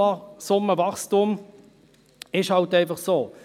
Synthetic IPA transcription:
ɑsʊmːəvɑχstum | ɪʃhɑltæɪfɑχsoː

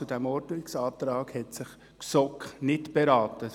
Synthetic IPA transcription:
t͡sudɛmɔɾdnɪksɑːt̪ɾɑːɡhɛtsɪχ | ksɔknɪtb̥ɛɾɑːtə

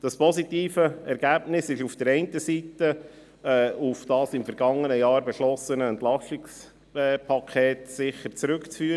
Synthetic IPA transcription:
d̥ɑspʰɔsitiːfəɛɾɡ̥æːbnɪsɪʃufd̥əɾɛɪntəsitə | ɛːufd̥ɑːsɪmfəɾɡɑŋːənəjɑːɾbɛʃlɔsənəɛnt̪lɑʃtɪks | pʰɑkʰɛːtsɪχəɾt͡sɾʉkt͡sfyːəɾ

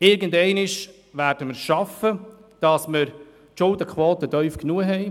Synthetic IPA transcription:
ɪɾɡəndɛɪnɪʃ | ʋæːɾd̥əməɾʃɑfə | d̥ɑsməɾ | ʃʊldəkʰʋoːt̪ədœʏfknuəɦɛɪ

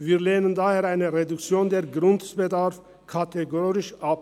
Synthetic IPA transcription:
viːʁleːnənd̪aːheːʁaɪnəʁɛd̪ukt͡sjoːnd̪eːɐɡʁʊntb̥ɛd̪aʁf | kʰat̪ʰɛɡoːʁɪʃap̚

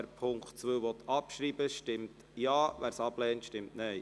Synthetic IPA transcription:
ɾpʰʊŋktt͡sʋøːʋɔt̪ʰɑpʃɾiːbəʃtɪmt̪ | jɑːʋæːɾsɑb̥lɛːntʃtɪmtnɛj

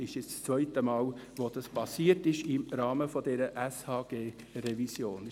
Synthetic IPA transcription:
ɪʃɪst͡st͡sʋœʏtəmɑːlʋod̥̪ɑspɑsiːətɪʃɪmɾɑːməfɔdɛɾəʔɛshɑːɡ̥eː | ɾɛvisjoːn

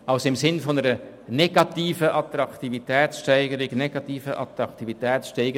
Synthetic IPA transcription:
ɑlsɪmsɪnfonəɾə | nɛɡɑt̪iːfəʔɑt̪ɾɑktivitɛːsʃtɛɪɡəɾiɡnɛɡ̥ɑtiːfəʔɑ̰t̪ɾɑktivitɛːtsʃtɛɪɡə

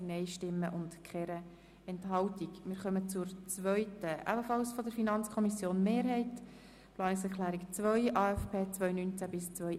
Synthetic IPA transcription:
nɛɪʃtɪmːəʔʊntkχɛɾə | ɛntɦɑltikmɪːɾχœmət͡sʊɾt͡svœʏtəʔæ̰bəfɑlsfɔdəɾfinɑnt͡skʰɔmisjoːnmeːɾɦɛɪt | plɑːnɪksɛɾkʰlæːɾikt͡svœʏʔɑːɛfpʰeːt͡svœʏnynt͡sæbɪst͡sʋœʏ

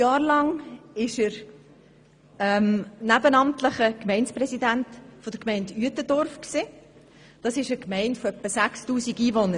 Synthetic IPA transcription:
jɑːɾlɑŋɪʃəɾ | ɛmnæbənɑmtləχəkmɛɪnsprɛsidæntfɔd̥̪əɾkmɛɪndyətədɔɾfksi | d̥ɑsɪʃəkmɛɪntfɔœpːəsæχstuːsiɡiːvonəɾ

